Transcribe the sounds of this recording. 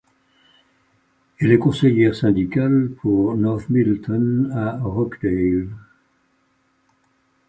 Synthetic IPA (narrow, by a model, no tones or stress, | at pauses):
ɛlɛkɔ̃sejɛʁsɛ̃d̪ikalpʰuʁnɔʁtmilt̪ɔnaʁɔkd̪el